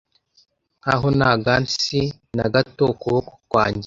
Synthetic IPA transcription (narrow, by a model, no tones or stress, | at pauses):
ŋŋ̥ha̰ɦonaɡansi | naɡatokoβoku̥kwaːɲɟi